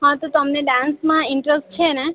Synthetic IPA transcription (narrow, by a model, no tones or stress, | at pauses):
ɦə̃t̪ot̪əmneɖãnsmãɪɳʈɾəsʈ̚t͡ʃʰene